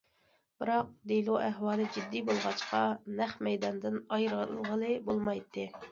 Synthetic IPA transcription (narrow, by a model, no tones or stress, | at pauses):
b̥ɨɾɑq̚d̪elˠoʔæɦwɑːlˠɨd͡ʒid̪ːibolˠʁɑt͡ʃqɑnæχmɛjd̪ɑnd̪ɨnɑjɾlʁəlˠɨbolˠmɑjt̪ʰːɨ